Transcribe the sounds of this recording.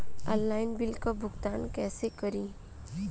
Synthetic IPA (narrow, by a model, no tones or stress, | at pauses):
ɔ̃nːaːɪnbɪlkabʊɡt̪aːnkɛːsekɐɾĩː